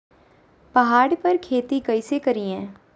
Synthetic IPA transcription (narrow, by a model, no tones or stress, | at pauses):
pɐɦaːɽpəɾkʰeːt̪ikɐisekɐɾiɛ̃ː